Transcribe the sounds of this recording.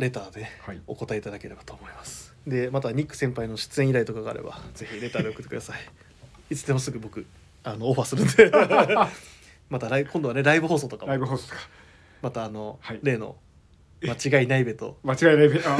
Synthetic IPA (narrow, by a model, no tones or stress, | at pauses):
ɾe̞t̪aːd̪e̞o̞ko̞t̪aeit̪ad̪ake̞ɾe̞bḁt̪o̞ːmo̞imasɨ̥ | d̪e̞mat̪aɲ̟ʲikːɯ̟̥sẽ̞mpaino̞ɕɨ̥t͡sɨẽ̞iɾait̪o̞kaɡaa̰ɾe̞̰ba̰z̥e̞çiɾe̞t̪aːd̪e̞okɯt̪ːekɯd̪asai | it͡sɨ̥t̪e̞mo̞sɨɡɯ̟bo̞kɯ̟ | ano̞ːɸasɨɾɯ̟̃nd̪e | mat̪aɾaiɯkõnd̪oaneɾaibɯ̟ɦo̞ːsoːt̪o̞kaɾaibɯ̟ɦoːsot̪kḁ | mat̪aːno̞hiɾe̞ːno̞̰ | mat͡ɕiɡainaibe̞t̪o̞̰mat͡ɕiɡainaibe